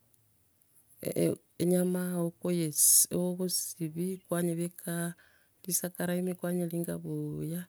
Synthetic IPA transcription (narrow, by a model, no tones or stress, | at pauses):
eɲamaokojeseoβusiβikwaɲeβekʰa | lisakaɾaimikwaɲeliŋɡa̰βoja